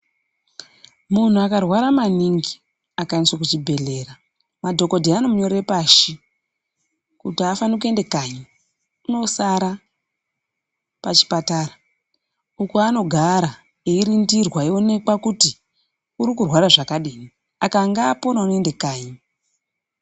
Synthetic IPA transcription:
mun̤uakarwaɾamaniŋɡi | akainiswakut͡ʃibʱe̞ɮe̞ːra | madʱo̞ko̞dʱeano̞muɲo̞ɾepaʃi | kutiafanik̬ue̞nde̞kaɲi | uno̞saɾa | pat͡ʃi̥patara | ukuano̞ɡʱaɾa | eiɾindirwaione̞kwakuti | uɾikurwaɾaʐakaɗiːni | akaŋɡaːponaunoendekaːɲi

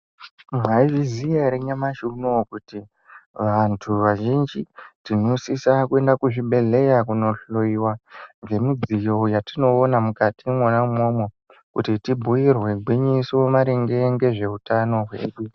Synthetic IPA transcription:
mwaiʐizijaɾeɲamaʃunokuti | ʋantʰuʋaʒind͡ʒitinosisakue̞ndakuʐiɓe̞ɮe̞jakuno̞ɬoiwanɡe̞mid͡zijo̞jatino̞ːnamukatimonaumomo | kutitibʱujirwe̞ɡʱwiɲisomaɾeŋɡe̞ŋɡe̞ʐe̞utano̞ɦwḛːɗu

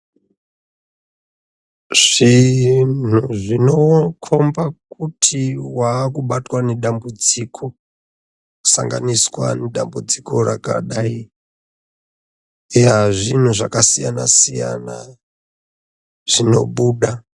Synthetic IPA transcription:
ʐ̥in̤uʐinokʰombakutʰiwaːkuɓatwaneɗambud͡zikʰo | sa̰ŋɡa̰niswa̰neɗambud͡ziko̞ɾaka̰ɗai | eaʐin̤uʐakasijanasija̰na̰ | ʐ̥ino̞̰ɓuːɗa

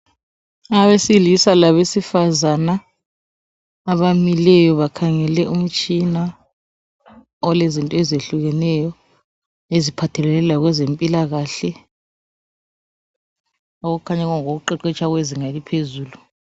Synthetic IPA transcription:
aβesilisalaβesifazana | βamilɛjɔβakʰaŋɛlɛum̩t͡ʃʼina | ɔlezintʼɔezeɬuɣɛnɛjɔ | ezipʰatʰɛlɛlɛlaɣ̬wɛzempʼilaɣaɬɛ | oɣuukʰaɲɛɣaŋok̬uǃɛǃɛt͡ʃʰaɣweziŋalipʰezuːlu

